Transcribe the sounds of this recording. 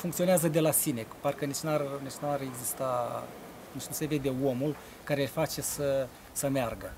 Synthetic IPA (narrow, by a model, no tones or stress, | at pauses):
fuŋkt̪io̞neazəd̪e̞lasine̞kparkənit͡ʃnarnit͡ʃnuareɡzist̪a | nit͡ʃnuse̞ve̞d̪e̞o̞mul | kaɾelfat͡ʃe̞sə | səmearɡə